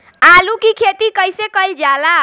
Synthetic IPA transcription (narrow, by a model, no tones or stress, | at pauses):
alukikʰet̪ikəjsekəjld͡ʒala